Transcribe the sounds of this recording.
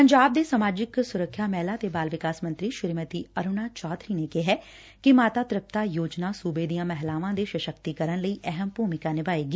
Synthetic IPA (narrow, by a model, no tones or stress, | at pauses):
pəɲd͡ʒaːb̚d̪eːsamaːd͡ʒɪksʊɾəkʰːjaːmɛːlaːt̪eːbaːlʋɪkaːsmə̃nt̪ɾiːʃɪɾmət̪iːəɾʊnaːt͡ʃɔːd̪ɾiːneːkeɦɛː | kɪmaːt̪aːt̪ɾɪp̚t̪aːjoːd͡ʒnaːsuːbeːd̪ijãːmɛɦlaːʋãːd̪eːʃəʃəkt̪ikəɾənləiːʔɛɦəmpuːmɪkaːnɪbaːeːɡiː